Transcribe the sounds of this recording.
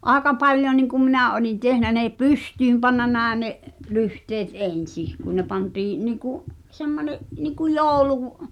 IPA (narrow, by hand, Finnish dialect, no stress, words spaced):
ʔɑˑekɑ pɑlʲjo niŋkum minæˑ olin tehnæ neˑ pystyːm pɑnːɑ næˑe neʔ lyhteːt ʔen̞sih kun ne pɑntiːĩ̆ niːkuʔ semːoneʔ niku joːŭluˑ